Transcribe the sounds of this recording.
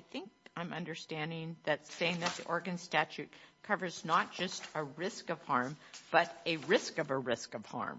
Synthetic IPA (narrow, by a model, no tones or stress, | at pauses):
aɪθɪ̃ŋkãɪ̃mʌ̃ndə˞stæ̃ndɪ̃ŋðɨtseɪɪ̃ŋðɨt̪̚ðḭʔɔɹɡɨ̃nstæt͡ʃʉt̚kʰʌvə˞znət̚d̥ʒ̥ʌstəɹɪskʌv̥hɑɹmb̥ʌɾɨɹɪskʌvəɹɪskʌv̥hɑ̰ɹm